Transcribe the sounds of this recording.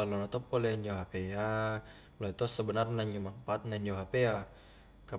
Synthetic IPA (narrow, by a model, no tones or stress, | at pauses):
alonɔt̪ɔpːolɛɲd͡ʒoɦapeja | loit̪usəbənarnaɲumampat̪̚naɲd͡ʒoɦapeja | ka